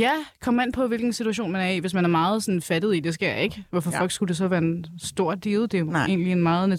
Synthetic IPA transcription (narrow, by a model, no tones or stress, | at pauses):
jækʰɒ̽men̰pʰɒ̽ʋe̝lɡ̥n̩sit͡sʰuæɕ̬o̝̰ːnmænæɐiʋe̝s̬mænæɐmɑ̈ːð̞̩ˠsɒ̽n̩fæd̥ð̞̩ˠid̥e̝s̬ɡ̥eɐ̰eɡ̥ʋɒfɒ̽fɒ̽l̰ɡ̥sɡ̥ud̥e̝s̬ɒ̽ʋæːɐensd̥o̝ɐ̰d̥iːð̩ˠd̥e̝e̝̰ːnlie̝nmɑ̈ːð̩ˠnæ